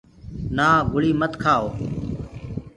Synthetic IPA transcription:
naːɡʱʊɭiːmət̪kʰaːoː

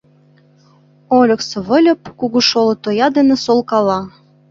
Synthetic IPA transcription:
olʲɤ̆ksɤ̆βə̆lʲɤ̆p̚kuɣuʃolɤ̆t̪ojɑd̪enĕsolˠkɑlɑ

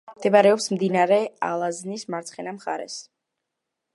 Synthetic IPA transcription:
d̪ɛbaɾɛɔpsmd̪inaɾɛa̰lˠaznismaɾt̪sʰχɛnamχa̰ɾɛ̰s

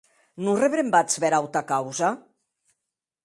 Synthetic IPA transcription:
nureβɾembat͡sβɛɾawt̪akawza

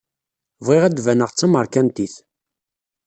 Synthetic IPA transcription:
vʁiʁæd̪vænəʁt͡sːɑməɾˤkænt̪iθ

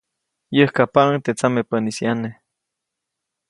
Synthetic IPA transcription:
jəhkapaŋt̪et͡samepənisjane

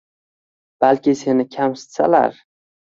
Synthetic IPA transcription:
b̥alkʲɪse̞nɪkʲʰamsɪ̥t̪sa̰la̰ɾ

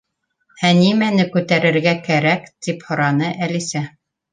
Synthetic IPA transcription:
hænimænɘkʉt̪æɾɘ̆ɾɡækæɾækt̪iphŏɾɑnɤʔælisæ

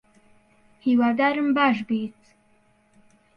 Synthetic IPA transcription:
hiwad̪aɾɨmbaʒbit̪

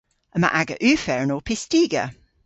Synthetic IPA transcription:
əma̰ʔaɡə̰ʔʉːfɛɹənɔːpʰɪstiːɡə̰

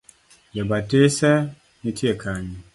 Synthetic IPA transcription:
jɛbatesɛ | nitʰiɛkʰaɲi

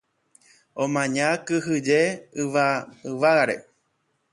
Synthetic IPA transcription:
õmãɲãkɨɦɨd͡ʒeɨʋaɨʋaaɾḛ

